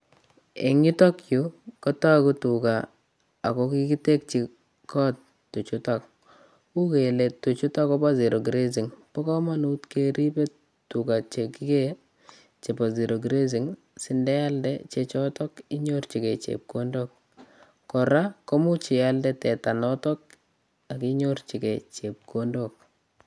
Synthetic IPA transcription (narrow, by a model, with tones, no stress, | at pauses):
ḛ˨ŋi˦tɔ˦kju˦kɔ˦ta˦kutuka | a̰˨kɔki˦ki˦te˦k̚t͡ʃi | kɔ˦t | tːu˨t͡ʃutak̚ | u˦kele˨tːu˨t͡ʃu˦takɔ˦ba˦zi˨ɾʔo˨ɡɾe˦zi˨ŋpɔ˦kɔ˦ma˦nutke˦ɾi˦pe˦ | tukat͡ʃeki˦ke | t͡ʃe˨pa˨zi˨ɾo˨ɡɾe˦zi˨ŋ | si˦ndɛ˦ja˦ldɛ̰t͡ʃet͡ʃɔtɔki˦ɲo˦rt͡ʃi˨ke˨t͡ʃḛ˨p̚kondok̚ | kːɔ˨ɾa˦ko˦mu˦t͡ʃi˨jaldɛtɛta˨nɔtɔ˦k̚ | a˨ki˦ɲort͡ʃi˨ket͡ʃep̚kondok̚